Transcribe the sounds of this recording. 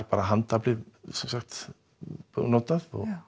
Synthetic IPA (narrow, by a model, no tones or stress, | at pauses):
ɾpaːɾaɦant̪aplɪsɛmsaxt̪ | nɔt̪aðɔ̰ɣ